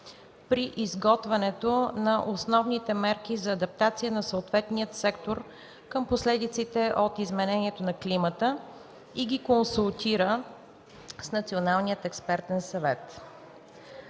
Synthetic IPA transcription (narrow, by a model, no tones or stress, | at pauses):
pɾiʔizɡɔt̪vɛnɛt̪onɐʔosnɔvnit̪ɛmɛɾk̟izɐːd̪ɐp̚t̪at̪sijənɐsoot̪vɛt̪nijət̪sɛkt̪oɾ | kəmposlɛd̪it̪sit̪ɛʔot̪izmɛnɛniɛt̪onɐklimət̪ə | iɡʲikonsulˠt̪iɾə | snɐt̪sionalˠnijət̪ɛkspɛɾt̪ɛnsɐvɛt̪